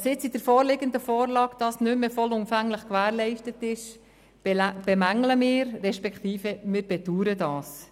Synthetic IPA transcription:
sɪt͡sid̥əɾfɔːɾlɪɡəndəfɔːɾlɑːɡd̥ɑsnʏmːəfɔlʊmfæŋləχkʋæːɾlɛɪʃtətɪʃ | b̥ɛmæŋləmɪːɾrɛʃpɛkt̪iːfəmɪːɾb̥ɛtuːɾədɑːs

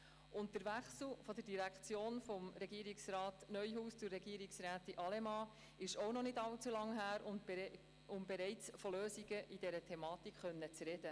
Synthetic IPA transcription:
ʊnəɾvæχsl̩fɔd̥̪ədiɾækʰt͡sjoːnfɔmɾɛɡiːəɾiksɾɑːtnœʏɦuːst͡sʊɾːɛɡiːəɾiksɾæːtiʔɑlemɑː | ɪʃɔwnɔnɪdɑlt͡sulɑŋɦæːɾ | ʊmbɛɾɛɪt͡sfɔløːsiɡəʔid̥ɛɾətʰɛmɑːtikχœnːət͡sɾɛd̥ə

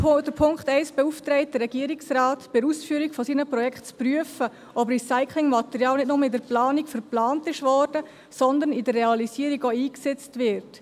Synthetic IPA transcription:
d̥əpʰʊŋkχtɛɪsb̥ɛuft̪ɾɛɪt̚d̥əɾːɛɡiəɾiksɾaːtb̥ɪɾuːsfyːəɾikfɔsiːnəpɾɔjɛkχtt͡spryəfə | ʔɔbrisaɪkʰlɪŋmɑt̪ɛɾjɑːlnɪtnʊməidəɾplɑːnikfəɾplɑːntɪʃvɔːɾd̥ə | sɔnd̪ənidərːɛɑlisiːəɾiɡoiːksɛt͡stvɪɾt

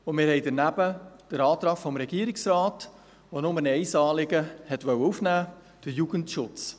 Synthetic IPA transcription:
ʊnmɪːɾhɛɪjdənæbəd̥əɾɑːt̪ɾɑffɔmɾɛɡiəɾiksraːt | ʋonʊmənɛɪsɑːlɪɡəhɛtʋœwəufnæː | d̥əɾjuɡəntʃʊt͡s

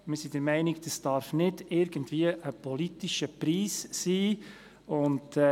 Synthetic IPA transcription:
mɪsidəɾmɛɪnɪkd̥əsd̥ɑɾfnɪdɪɾɡəntviəʔəpʰɔlitiʃəpɾiːssiː | ʊnd

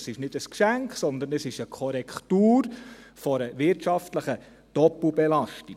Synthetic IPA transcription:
sɪʃnɪdəskʃæŋkχsɔnd̪ənəsɪʃəkʰɔɾɛktuːɾfɔɾəʋɪɾtʃɑftləχə | d̥ɔp̩bɛlɑʃti

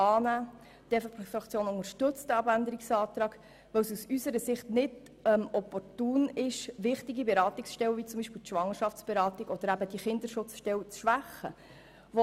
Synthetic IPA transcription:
ɑːnæː | d̥̪ɛffɑkt͡sjoːnʊŋəɾʃtɵt͡stəɑbændəɾɪksɑːt̪ɾɑːɡ̥ | ʋɛwsusysəɾəsɪχtnɪd | ɛmɔpɔrtuːnɪʃʋɪχtiɡibɛɾɑːtɪksʃtɛwvit͡sʊmbiʃpɪwt̪ʃʋɑŋːəʃɑft͡sb̥ɛɾɑːt̪iɡɔd̥̪əɾæbəd̥iχɪnd̪əɾʃʊt͡sʃtɛwt͡sʃʋæχːə | vo

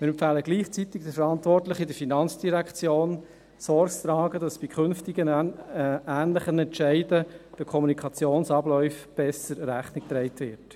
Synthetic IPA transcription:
mɪɾɛmfæːləɡliːχt͡sit̪ɪɡ̥d̥əfəɾɑntʋɔrtlɪχɪdəɾfinɑnt͡sd̥iɾækχt͡sjoːn | sɔɾkst̪ɾɑːɡədɑsb̥ikʰχʏnftɪɡən | æːnlɪχənɛntt͡ʃæɪdəd̥əkʰɔmunikʰɑt͡sjoːnsɑblɔʏfb̥ɛsəɾɾæχnɪk̚t̪ɾɛɪtʋɪt

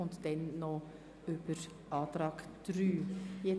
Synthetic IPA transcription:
ʊnt̪d̥ɛnːɔ | ʏb̥əɾ | ʔɑːt̪ɾɑːkd̥ɾyːjɛ

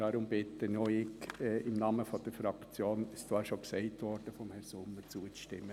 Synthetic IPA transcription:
ɑɾʊmb̥ɪt̪ənɔʏɪkɛʔɪmnɑːməfɔd̥əɾfɾɑkt͡sjoːnɪst͡sʋɑːɾʃoksɛɪtʋɔɾd̥əfɔmhɛɾsʊmːət͡suːət͡sʃtɪ̰mːə

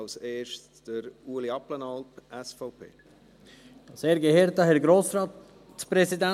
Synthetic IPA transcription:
lseːʃt | d̥əɾuːliɑplənɑlpɛsfɔʊpʰḛː | d̥ɑseːɾɡeheːɾtɑhɛɾɡɾoːsɾɑːt | t͡spɾɛsidæ

